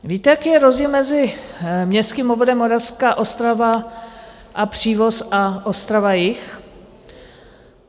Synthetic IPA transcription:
viːt̪ɛjakiːjɛɾozɟiːlmɛzɪmɲɛst̪kimovodɛmːoɾafskaːʔo̞st̪ɾava | ʔapr̝̥iːvo̞saʔost̪ɾavajɪx

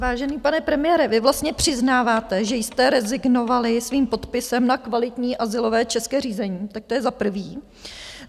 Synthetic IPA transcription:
vaːʒɛniːpanɛpɾɛmɪjɛːɾɛvɪvlast̪ɲɛpr̝̥ɪznaːvaːt̪ɛʒɛjst̪ɛɾɛzɪɡno̞valɪsviːmpo̞t̪pɪsɛmnakvalɪt̪ɲiːʔazɪlo̞vɛːt͡ʃɛskɛːriːzɛɲiːt̪ak̚t̪o̞jɛzapr̩viː

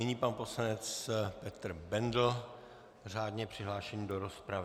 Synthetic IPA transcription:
ɪɲiːpanposlanɛt͡spɛt̪r̩bɛndl̩ | r̝aːdɲɛpr̥ɪɦlaːʃɛɲidoɾospɾav

